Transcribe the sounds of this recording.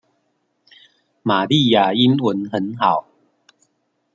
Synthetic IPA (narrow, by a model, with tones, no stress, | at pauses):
ma˨˩li˥˨ja˨˩i˦nwə˨˦nhə˨˦nha˨˩˦ʊ